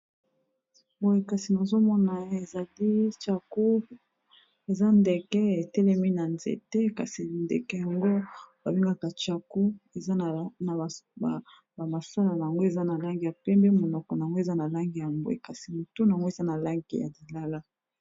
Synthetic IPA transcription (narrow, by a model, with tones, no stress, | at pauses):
bo˨e˨ka˨si˨na˨zo˦mɔ˦na˨e˨za˨li˦t͡ʃa˨ku˦ | e˨za˦nde˨kɛ˦e˨tɛ˦lɛ˦mi˦na˨nzḛ˨te˦ka̰˨si˨ndɛ̰˨kɛ˨ja˨ŋɡo˦ba˨bi˦ŋɡa˦ka˨t͡ʃa˨ku˦e˨za˦˨na˨a˨ | ba˨ma˨sa˦la˨na˨a˨ŋɡo˦e˨za˦na˨la˦ŋɡi˨ja˨pɛ˦mbe˦mo˨nɔ˨kɔ˨na˨a˨ŋɡo˦e˨za˦na˨la˦ŋɡi˨ja˨ŋɡo˦ḛ˦˨ka˨si˨mo˨to˦na˨ŋɡo˦e˨za˦na˨la˦ŋɡḭ˦ja̰˨di˨la˦la˦